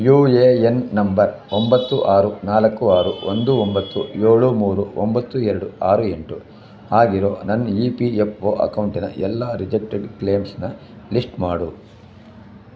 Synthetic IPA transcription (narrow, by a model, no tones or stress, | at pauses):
juːeːenːɐmbɐɾ | ombɐt̪ːuʔaːɾunaːlɐkːuaːɾuond̪uombɐt̪ːujoːɭumuːɾuombɐt̪ːuɛɾɐɽuaːɾueɳʈu | aːɡiɾoːnɐnːɐiːpiepʰoːʔɐ̰kɐwɳʈinɐ̰ʔɛlːaːɾid͡ʒek̚ʈeɖkle̞ːmsnɐ | lisʈmaːɽu